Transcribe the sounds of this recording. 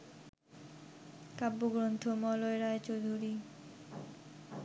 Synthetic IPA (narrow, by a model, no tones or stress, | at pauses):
kabːoɡɾont̪ʰomɔloeɾaet͡ɕowd̪ʱuɾi